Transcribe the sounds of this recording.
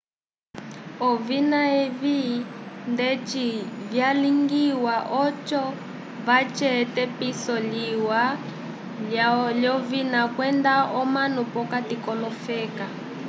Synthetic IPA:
ɔvinaɛβindɛt͡ʃivjaliŋɡiwaʔɔt͡ʃɔ | βat͡ʃɛtɛpisɔliwa | laljɔvinakwɛndaɔmanupɔkatikɔlɔfɛːka

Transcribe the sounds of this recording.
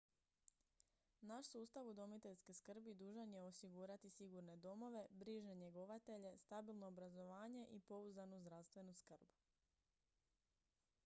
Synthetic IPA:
naʃsuːst̪aʋud̪o̞mit̪e̞ʎskeskr̩bid̪uːʒanje̞o̞siɡuːɾat̪isiɡuɾne̞d̪o̞mo̞ʋe̞bɾiʒaɲe̞ɡo̞ʋat̪e̞ʎe̞st̪abilˠno̞ːbɾazo̞ʋaːɲe̞ʔipo̞uzanuzd̪ɾawst̪ʋe̞nuskr̩bu

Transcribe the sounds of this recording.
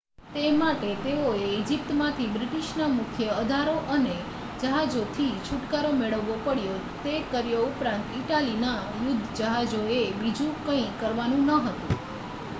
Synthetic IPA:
t̪emaʈet̪eoeid͡ʒip̚t̪mãt̪ʰibɾiʈiʃnamʊkʰjəəd̪ʱaɾoʔəne | d͡ʒəɦad͡ʒot̪ʰit͡ʃʰuʈkaɾomeɭəʋːopəɽjo | t̪ekəɾjoupɾãnt̪iʈalina | jʊd̪ʱːd͡ʒəɦad͡ʒoebid͡ʒũkəĩkəɾʋanũnəɦət̪ṵ̃

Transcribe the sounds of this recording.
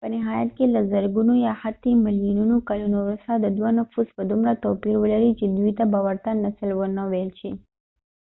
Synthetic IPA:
pəniɦajət̪̚keləzəɾɡunũjahat̪ʰːiməlinunũkəlunoɾəsad̪əd̪ʋanəfusʋəd̪ʱumɾat̪opiɾʋələɾid͡ʒɪd̪ʋit̪abaʋəɾt̪anəsəlʋənəʋelt͡ʃʰe

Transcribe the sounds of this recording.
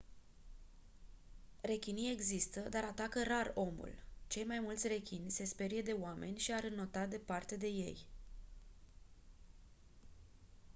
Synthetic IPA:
re̞kʲinije̞ɡzist̪əd̪aɾat̪akəɾaro̞mṵlt͡ʃe̞jmajmult̪sʲre̞kʲinʲse̞spe̞ɾije̞d̪e̞wamʔe̞nʲʃiaɾɨnːo̞t̪ad̪e̞part̪e̞d̪e̞je̞̰j

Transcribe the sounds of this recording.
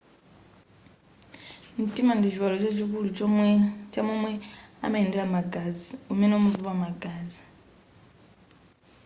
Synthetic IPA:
n̩tʼimandit͡ʃʰiwalɔt͡ʃat͡ʃʰikulut͡ʃɔt͡ʃʰamɔmwɛa̰maindɛɺamaɡaziumɛnɛɔmuvuβamaɡaːzi

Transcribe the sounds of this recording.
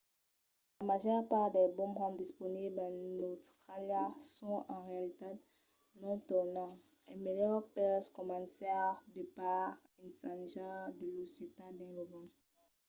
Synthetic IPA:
lamaʒœʁpaʁd̪ɛbɔ̃mʁɔ̃md̪ispɔniblãnottχaljasɔ̃ʔɑ̃ʁealit̪a | nɔ̃t̪ɔnɑ̃ɛmejœʁpɛskɔmɑ̃sɛad̪əpaʁ | ĩnsãʒɑ̃d̪əloset̪ad̪ɛ̃lovɑ̃

